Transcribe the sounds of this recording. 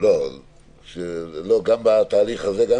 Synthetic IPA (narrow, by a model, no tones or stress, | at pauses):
lo | ʃeloɡambat̪aːliχazeɡa